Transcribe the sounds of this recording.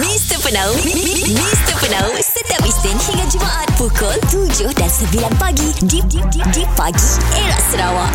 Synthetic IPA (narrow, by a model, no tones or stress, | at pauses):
mĩst̪əpənaw | mĩst̪əpənawsət̪iapist̪ɪnhiŋãnd͡ʒumaʔat̪̚pukʰɔlt̪ud͡ʒʊhdansəbilanpaɡididididipaɡieɾaʔsəɾawaʔ